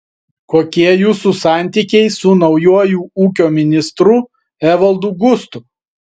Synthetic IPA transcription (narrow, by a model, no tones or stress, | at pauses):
koːkʲiɛjuːsuˑsɑˑnʲt̪ʲiːˑkʲɛɪsʊnɒʊjuɔjuːuːkʲoːmʲɪnʲɪst̪ɾʊ | ɛʋɐlˠd̪uɡʊst̪ʊ